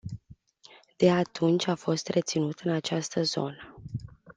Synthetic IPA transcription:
d̪̥e̞at̪ʰunt͡ʃʲafo̞st̪re̞t̪sinut̪ɨnat͡ʃast̪əzo̞̰nə

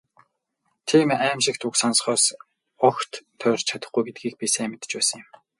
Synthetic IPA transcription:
t̪ʰiːmæːmʃɪ̆kt̪uksansχɔːs | ɔxt̪ʰːœːr̥ʲt͡ɕt͡ɕʰat̪ə̆χɡujɡet̪̚ɡiːɡ̚piseːmet̪ə̥̆t͡ɕpæːsə̆ŋjʊ̆m

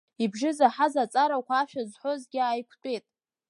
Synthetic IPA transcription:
ibʒɪzaħazat͡sʼaɾakʷʰaːʃᶣazħʷozɡʲɪajkʷʰtʷʼetʼ

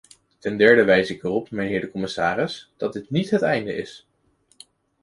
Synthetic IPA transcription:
tɛndɛɹdəʋɛjsɪkərɔpmɛjnɦɪːɹdəkɔmɪsaːrɪsd̥ɑt̚dɪtnitɦətɛjndə̰ʔɪ̰s

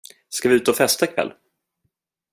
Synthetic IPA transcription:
skavɪʉ̟ːt̪əɔfɛst̪akʰvɛ̰lː

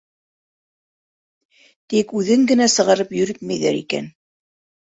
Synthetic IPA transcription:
t̪ikʉðɘŋɡɘ̆næsɤ̆ʁɑɾɤpjɵ̆ɾɘk̪̚mæjðæ̰ɾḭkæ̰n

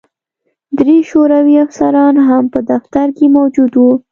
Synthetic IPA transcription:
d̪ɾeʃoɾawiafsaɾɑnɦampəd̪aft̪aɾkemawd͡ʒud̪wu

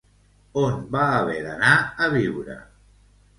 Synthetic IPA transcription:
onbaːβeɾanaəβiwɾə̰

